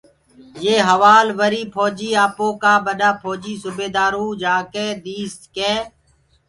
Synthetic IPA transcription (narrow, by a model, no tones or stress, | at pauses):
jeːɦəʋaːlʋəɾiːpʰɔːd͡ʒiːaːpõːkaːbəɗaːpʰoːd͡ʒiːsʊbeːd̪aːɾõːd͡ʒaːkeːd̪iːskeː